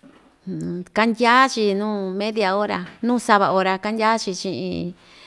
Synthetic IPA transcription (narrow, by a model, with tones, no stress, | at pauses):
ka˧ndʲa˦t͡ʃi˧nũː˦mẽ˦ðja˧o˦ɾa˧nũː˦˧sa˧βa˧o˧ɾa˧ka˦ndʲa˦t͡ʃi˧t͡ʃĩ˧ʔḭ̃˧